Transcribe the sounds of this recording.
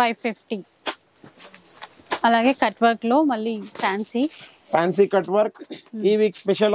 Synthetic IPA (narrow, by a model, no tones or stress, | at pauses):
pɐjpːipʰʈi | ɐlaːɡeːkɐʈʋɐɾkloːmɐlːipʰaːnsi | pʰaːnsikɐʈʋɐɾkiːʋiːkspeʃɐl